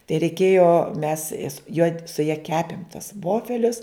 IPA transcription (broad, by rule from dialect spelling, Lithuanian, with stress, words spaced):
tɐɪ rʲɛɪˈkʲeːjoː mʲɛs jɛs joː sʊ jɛ ˈkʲæːpʲɪm tɐs ˈʋoːfʲɛlʲʊs